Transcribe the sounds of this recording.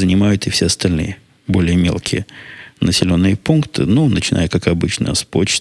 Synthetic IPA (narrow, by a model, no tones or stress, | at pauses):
zənʲɪmajʊt̪ɨfsʲeɐst̪ɐlʲnɨ̰jə | bo̞lʲɪjəmʲe̞̰lˠkʲʰɪjənəsʲɪlʲo̞nːɨjəpunkt̪ʰɨ̰nunət͡ɕɪna̰jəkakɐbɨt͡ɕnə̰jəspot͡ɕ